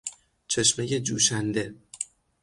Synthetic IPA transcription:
t͡ʃʰe̞ʃmeje̞d͡ʒuːʃænd̪e̞

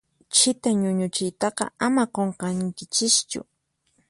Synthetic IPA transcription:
t͡ʃɪt̪aɲʊɲʊt͡ʃɪjt̪ɑqɑ̰amaqoɴqɑŋkɪt͡ʃɪst͡ʃʊ̰

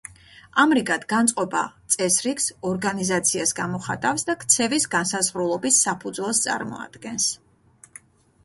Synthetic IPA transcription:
amɾikʼad̪ɡant̪sʼqʼɔba̰t̪sʼɛsɾiksɔɾɡanizat̪sʰiasɡamɔχa̰t̪ʼafsd̪akʰt̪sʰɛvisɡansazʁɾulˠɔbisːapʰud̪zwɛlˠst̪sʼa̰ɾmɔ̰a̰d̪ɡɛns

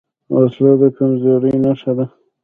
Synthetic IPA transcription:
waslɑd̪əkamzoɾinaʃad̪a

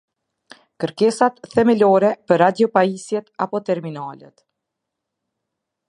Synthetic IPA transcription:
kəɾkɛsat̪θɛmɛlɔɾɛpəɾad̪jɔpaisjɛt̪apɔt̪ɛɾminalə̰t̪

